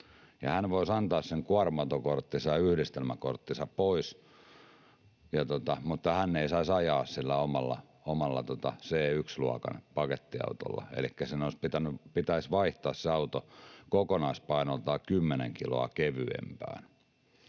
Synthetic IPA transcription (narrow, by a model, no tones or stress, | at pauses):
jɑhænʋoisɑnt̪ɑːsseŋkuɑrmɑut̪okort̪ːisɑjɑyhdist̪elmækort̪ːisɑppois | jɑt̪ot̪ɑmut̪ːɑhænːeisɑisɑjɑːssilːæomɑlːɑ̰ | omɑlːɑt̪ot̪ɑseːyksluɑkɑ̰npɑket̪ːiɑ̰ut̪o̰lːɑ̰ḛlikːæsinoispit̪ænypit̪æisʋɑiht̪ɑːsseɑut̪okokonɑispɑinolt̪ɑːkymːenḛŋkilo̰ɑkeʋy̰ḛmpæ̰ːn